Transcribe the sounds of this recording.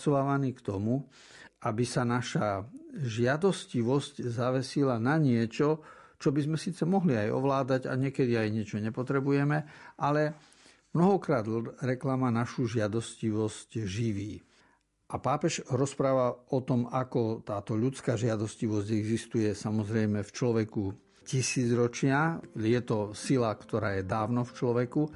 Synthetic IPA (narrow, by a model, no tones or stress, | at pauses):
sɔʋaːʋaniːkt̪ɔmu | ʔabisanaʃaʒɪad̪ɔsciʋɔsczaʋɛsilanaɲɪɛt͡ʃɔt͡ʃɔbizmɛsiːt͡sɛmɔɦliajɔ̰ʋlaːd̪aɟa̰ɲɪɛkɛd̪iajɲɪɛt͡ʃɔɲɛpɔt̪ɾɛbujɛmɛʔalɛ | mnɔɦɔkɾaːd̪ɾɛklamanaʃuʒɪad̪ɔsciʋɔscʒiʋiː | ʔapaːpɛʒɾɔspɾaːʋaɔt̪ɔmakɔt̪aːt̪ɔʎut͡skaːʒɪad̪ɔsciʋɔzɟɛɡzist̪ujɛsamɔzɾɛjmɛft͡ʃlɔʋɛku | cisiːd͡zɾɔt͡ʃɪajɛt̪ɔsilakt̪ɔɾaːjɛd̪aːʊnɔft͡ʃlɔʋɛku